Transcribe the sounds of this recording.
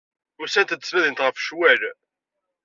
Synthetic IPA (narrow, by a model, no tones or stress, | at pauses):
ʊsænt̪d̪ə̥smæðinət̪ʁəfʃwæl